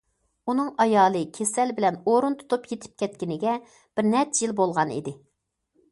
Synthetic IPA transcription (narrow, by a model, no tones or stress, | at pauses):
unɨŋɑjɑːlˠɨkʲʰesɛlbɪlɛnoɾunt̪ʰu̥t̪upjet̪ʰɪ̥p̚kʲʰɛt̪kʲinɪɡʲɛ | b̥ɪɾnɛt̪jilbolˠʁɑnḭd̪ɪ